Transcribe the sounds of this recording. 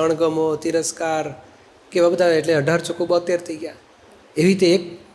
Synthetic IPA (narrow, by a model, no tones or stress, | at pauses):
əɳ̃ɡəmot̪iɾəskaɾ | keʋabət̪aʋeeʈleəɖʱaɾt͡ʃokobət̪eɾt̪ʰəiɡja | eʋit̪eːk̚